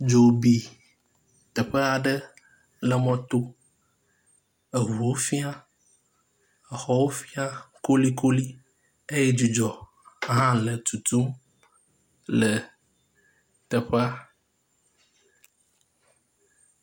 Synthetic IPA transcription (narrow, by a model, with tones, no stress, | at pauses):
d͡ʒo˨bi˨ | t̪ə˨ɸə˦a˨ɖə˦ | lə˨mɔ̃˦t̪o˦ | e˨ɦu˨wo˦fi˦a˦ | ə˨xɔ˦wo˦fi˦a˦ko˦li˦ko˦li˦ | e˦je˦d͡ʒu˨d͡ʒɔ˨ | ɦã˦lə˨t̪u˨t̪u˦m | lə˨ | t̪ə˨ɸe˦a˨